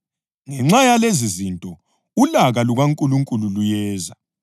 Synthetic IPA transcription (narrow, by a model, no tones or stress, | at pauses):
ŋɛŋ͡ǁajalezizintʼɔ | ulaɣaluɣaŋkʼuluŋkʼululujɛːza